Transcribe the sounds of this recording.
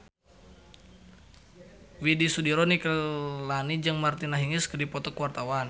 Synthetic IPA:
widisudiɾɔnikəlanid͡ʒəŋmart̪inaɦiŋiskədipɔt̪ɔkəwart̪awan

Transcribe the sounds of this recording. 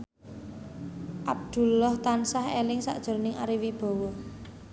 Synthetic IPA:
ʔab̚d̪̥ṳlɔht̪ansahḛlɪŋsa̰ʔd̥ʒ̥o̤rnɪŋa̰ɾiwib̥ɔ̤wɔ

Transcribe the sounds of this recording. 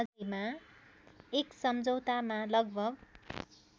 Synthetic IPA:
ima | eksʌmd͡zʱʌwt̪amalʌɡ̚bʱʌɡ̚

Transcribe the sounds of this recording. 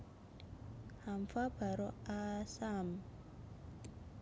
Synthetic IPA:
hamfab̥ʱaɾɔasam

